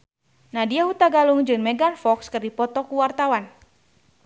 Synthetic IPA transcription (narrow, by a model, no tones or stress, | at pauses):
nadiaɦut̪aɡaluŋd͡ʒɨŋmɛɡanfɔkskɨrdipɔt̪ɔkuwart̪awan